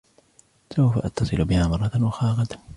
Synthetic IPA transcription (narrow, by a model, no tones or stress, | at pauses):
sawfa̰ʔɑt̪ːɑsˤɨlbɪhaːmɑɾrˤːɑt̪nwɑxɑːɣɑt̪